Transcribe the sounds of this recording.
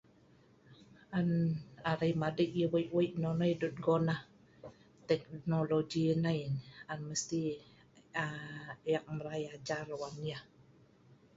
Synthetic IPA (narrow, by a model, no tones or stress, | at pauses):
anaɾajmadiʔjəwəjʔwəjʔnɔnɔjdut̪̚ɡɔna | t̪ɛk̚noloɡinajanməst̪i | ajak̚məɾajad͡ʒarwanja